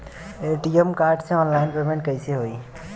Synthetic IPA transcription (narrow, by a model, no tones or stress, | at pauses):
ʈiemkaɾɖsẽɔːnlaɪnɡɔɾimẽɳʈ̚kəɪseɦoi